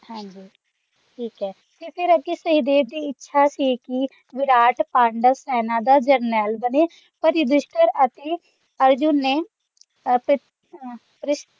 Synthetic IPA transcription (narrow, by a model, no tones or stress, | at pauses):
hãːɲd͡ʒiː | ʈʰiːkɦɛː | t̪epʰɪɾəkisəɦid̪eːʋd̪iːɪtːʃʰaːsiːki | ʋɪɾaːʈpãːɳɖəsɛːnãːd̪aːd͡ʒəɾnɛːlbəneː | pəɾɪd̪ɪʃʈəɾət̪eː | əɾd͡ʒʊnːeː | p | pɾɪʃ